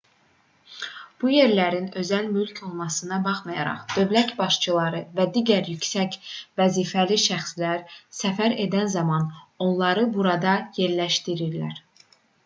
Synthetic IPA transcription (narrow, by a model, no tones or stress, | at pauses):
b̥uje̞ɾlæɾinø̞zælmylcʰo̞lˠmɑsɯnɑbɑχmɑjɑ̰ɾɑ̰χd̪̥ø̞vlæt̪bɑʃt͡ʃʰɯlˠɑɾɯvæd̪iːɟæɾjycsæcvæziːfæliʃæχslæɾsæfæɾe̞d̪ænzɑmɑno̞nlˠɑɾɯbuɾɑd̪ɑje̞ɾlæʃt̪iɾiɾlæ̰ɾ